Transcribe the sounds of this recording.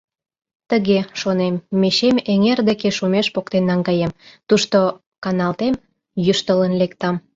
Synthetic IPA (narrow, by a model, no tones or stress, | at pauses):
t̪əɣeʃonemːeʃemeŋerd̪ekeʃumeʃpokt̪enːɑŋɡɑjemt̪uʃt̪o | kɑnɑlt̪em | jyʃt̪ələnlek̚t̪ɑm